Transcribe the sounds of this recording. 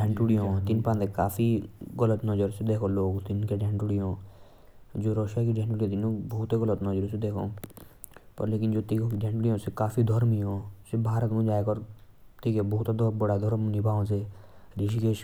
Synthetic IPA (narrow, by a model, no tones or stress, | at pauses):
ɖɛ̃ːɳʈuɽijõːt̪ɪnpãːnd̪eka̰ːfiɣələt̪nɔd͡ʒəɾsed̪eːkʰoloːɡt̪ɪnkeɖɛ̃ːɳʈuɽijõ | d͡ʒoːɾoːʃakiɖɛ̃ɳʈuːɽit̪̬ɪnõbɔːt̪eɣələt̪nɔːd͡ʒəɾsed̪eːkʰõ̰ː | pɐ̰ɾleːkɪnd͡ʒoːt̪ikokiɖɛ̃ɳʈuɽijõsekaːfʰid̪ʱɔɾmiɦõsɪbʱaːɾət̪mũd͡ʒaːekɔɾ | t̪ikebɔɦt̪d̪bəɽad̪ʱɔɾmnibʱaːõseɾiʃikeʃ